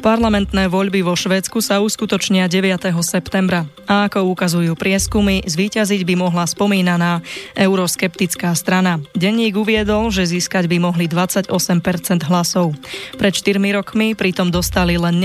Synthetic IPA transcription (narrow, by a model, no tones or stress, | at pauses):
paɾlamɛnt̪nɛːʋɔʎbiʋɔʃʋɛːt͡skusauskut̪ɔt͡ʃɲɪaɟɛʋɪat̪ɛɦɔsɛpt̪ɛmbɾa | aakɔukazujuːpɾɪɛskumizʋiːcaziɟbimɔɦlaspɔmiːnanaːʔɛʊɾɔskɛpt̪it͡skaːst̪ɾanaɟɛɲiːɡuʋɪɛd̪ɔlʒɛziːskaɟbimɔɦlid̪ʋat͡saɟɔsɛmpɛɾt͡sɛnd̪ɦlasɔʊpɾɛt̪ʃt̪iɾmiɾɔkmipɾit̪ɔmd̪ɔst̪alilɛnː